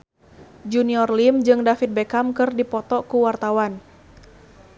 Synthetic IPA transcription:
d͡ʒuniɔrlimd͡ʒɨŋdafit̪̚bɛkamkɨrdipɔt̪ɔkuwart̪awan

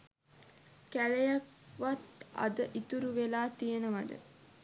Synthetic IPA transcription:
kælejakʋat̪a̰d̪əʔit̪uɾuʋelaːt̪ijenəʋad̪ə̰

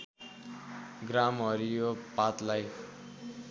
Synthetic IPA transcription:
ɡramɦʌɾijopat̪laj

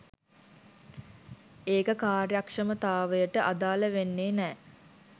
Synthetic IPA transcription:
eːkəkaːrjakʂəmət̪aːʋəjəʈəʔad̪aːləʋenːeːnɛː

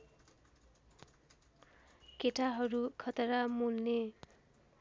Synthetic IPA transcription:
keʈaɦʌɾukʰʌt̪ʌɾamulne

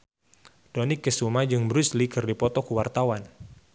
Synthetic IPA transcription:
d̥onɪkːəsumad͡ʒɨŋbəɾuslikɨrdipɔt̪ɔkəwart̪awan

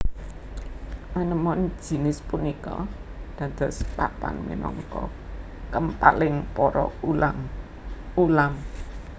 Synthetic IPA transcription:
manəmɔn̥ʒ̥i̤nɪspunikɔd̪̥ä̤d̪̥ɔ̤spapa̰nmḭnɔŋkɔ | kəmpalɪŋpɔɾɔlaŋ | ulam

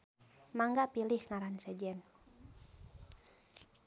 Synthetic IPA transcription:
maŋɡapilihŋaɾansɛd͡ʒɛn

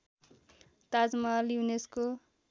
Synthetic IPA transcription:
t̪ad͡zmaːlijunesko

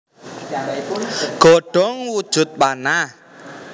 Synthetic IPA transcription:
ɡ̥ɔɖ̥ɔ̤ŋwud̥ʒ̥ʊ̤t̪̚ɓana

